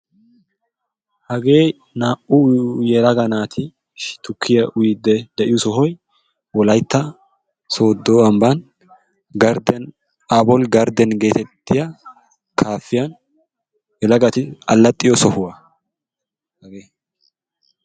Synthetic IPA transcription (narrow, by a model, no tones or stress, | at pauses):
hɐɡe̞ː | naːʔʊjɛlɐɡɐnaːt̪ʰɪ | ʃt̪ʊkʰːɪjɐʔʊjɪd̪ːɛd̪ɛʔɪjʊsɔɦɔj | wɔlɐjt̪ːɐ | so̞ːd̪ːoːɐmbɐn | ɡɐɾd̪ɛn | aːbɔlɡɐɾd̪ɛnɡe̞ːt̪ɛt̪ːɪjɐ | kʰaːfːɪjɐn | jɛlɐɡɐt̪ɪɐlːɐt̪ʼːɪjɔsɔhʊwɐ | hɐɡeː